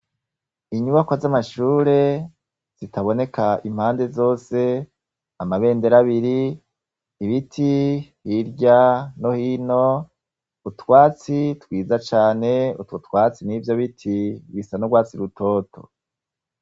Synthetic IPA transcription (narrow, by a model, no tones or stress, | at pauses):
iɲuβakwazamaʃuːɾe̞ | z̥itaβo̞ne̞kaim̥haːnde̞zo̞ːse̞ | amaβe̞ːnde̞ɾaβiɾiː | βitʰihiɾɟano̞hiːno̞ | utwaːt͡sitwiːzat͡ʃaːne̞utwotwaːt͡siniːvjo̞βitʰiwisanoɡwaːt͡siɾutʰo̞ːtʰo̰